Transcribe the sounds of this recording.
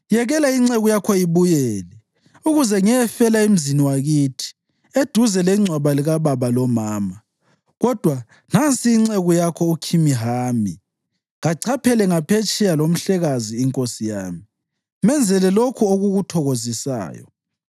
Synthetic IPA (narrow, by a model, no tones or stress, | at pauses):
jɛɣɛlaiŋ͡ǀeɣujakʰɔiβujɛːlɛ | uɣuzɛŋɛjɛfɛlaim̩ziniwaɣitʰi̥ | ed̥ʱuzɛlɛŋ͡ǀʱwaβaliɣaβaβalɔmaːma | ɣɔd̥ʱwa | nant͡sʼiːŋ͡ǀeɣujakʰɔukʰimiɦaːmi | ŋaǀʰapʰɛlɛŋapʰet͡ʃʼɛjalom̩ɬɛɣaziːŋkʼosija̰ːmi | mɛnd͡zʱɛlɛlokʰuoɣuɣutʰɔɣozisa̰ːjɔ̰